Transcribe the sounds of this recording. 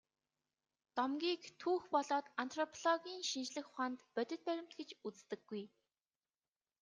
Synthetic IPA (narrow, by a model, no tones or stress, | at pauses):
t̪ɔmɡʲiːkt̪ʰuːxpɔɮɔːt̪ant̪ʰrɔpʰɔɮɔɣʲiːnʃint͡ɕɮɘ̆xʊχaːnt̪pœt̪ʲɪ̆t̪̚pæɾʲɪ̆m̥t̪̚ɡet͡ɕut͡st̪ɘ̆ɡːuj